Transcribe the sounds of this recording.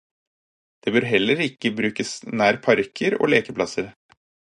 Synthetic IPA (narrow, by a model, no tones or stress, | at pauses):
d̪̥eːbøːɾɦɛlːəɾɪkːəbɾʉːkəsnæːɾpʰɑɾkʰəɾo̰ːleːkəpʰlɑsəɾ